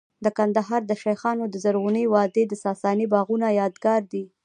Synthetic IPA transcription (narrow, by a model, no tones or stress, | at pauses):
d̪əkand̪aɦɑɾd̪əʃajxɑnod̪əzaɾɣuniwɑd̪ed̪əsɑsɑnibɑɣunajɑd̪ɡɑɾd̪i